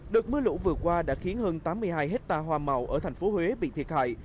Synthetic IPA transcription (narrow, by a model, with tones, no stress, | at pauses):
ɗɨ˨˩ək̚mɨ˨˦əlṵ˧˥vɨ˨˩əkwaː˧ɗa̰ː˧˥xi˨˦ənhəː˧nt̪aː˨˦mːɨ˧əjɦaː˧jɦe˦˥t̚t̪aː˧ɦwaː˧ma˨˩wʔəː˧˩t̪ʰɛ˨˩ŋ̟fo˨˦hwe˨˦ɓḭ˧˨t̪ʰi˨˩t̚ha̰ː˧˨j